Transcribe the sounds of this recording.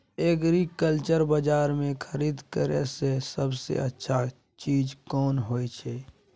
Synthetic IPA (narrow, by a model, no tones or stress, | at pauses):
eːkɾikəlt͡ʃəɾbəd͡ʒaːɾmẽkʰəɾiːd̪kəɾḛsesəbsḛətːʃʰa | t͡ʃiːd͡ʒkɔːnɦoːit͡ʃʰɛː